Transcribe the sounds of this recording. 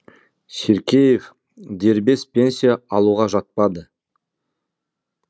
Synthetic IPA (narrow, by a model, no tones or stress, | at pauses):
sʲeɾkʲejef | d̪e̞ɾbe̞spʲe̞nsʲijaɑlˠuʁɑʒɑt̪̚pɑd̪ə